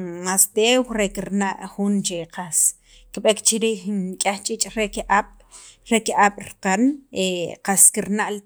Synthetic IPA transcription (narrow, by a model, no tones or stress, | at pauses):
ast̪ewɾekiɾnaʔxunt͡ʃeqʰas | kɓekt͡ʃiɾiːxnkʼaχt͡ʃʼit͡ʃʼɾekʔaɓ̥ | ɾekiʔaɓ̥ɾqaneqaskiɾnaʔl